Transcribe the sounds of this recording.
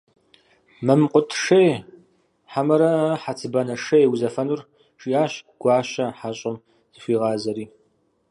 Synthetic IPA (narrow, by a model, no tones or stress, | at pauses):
mɐmqʷʼʊtʰʂej | ħamɐɾɐħat͡sʰɨbɐnɐʂɐjwzɐfɐnur | ʂiaːɕɡ̥ʷɑːɕɐħaɕʼɪm | z̥ɨɕʷiːʁɑːzɐɾiː